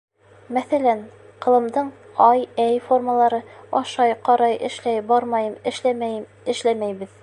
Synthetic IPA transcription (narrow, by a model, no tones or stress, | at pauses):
mæθælæn | qɤ̆lˠɤ̆md̪ɤɴ | ɑjæjforməlˠɑɾɤɑʃɑjqɑɾɑjʔɘ̰̆ʃlæjbɑɾmɑjɤmɘ̆ʃæ | ɘ̆ʃlæmæjbɘð